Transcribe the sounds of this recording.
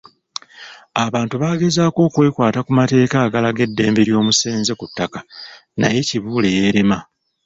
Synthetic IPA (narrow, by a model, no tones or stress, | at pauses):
aβaːntuβaːɡe̞zaːko̞ːkwe̞ːkwaːtakumate̞ːkaːɡalaɡe̞dːe̞ːmbe̞ɾjo̞ːmuse̞ːnze̞kutːaka | na̰je̞ciβuːle̞je̞ːɾe̞ma